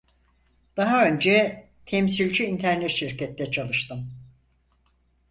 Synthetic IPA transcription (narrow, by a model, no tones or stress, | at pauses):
d̪̥aɦaø̞nd͡ʒɛ | t̪ʰɛmsilʲd͡ʒiːnt̪ʰæɾnɛt̪ʃiɾcɛt̪ːɛt͡ʃʰalˠɯʃt̪ɯm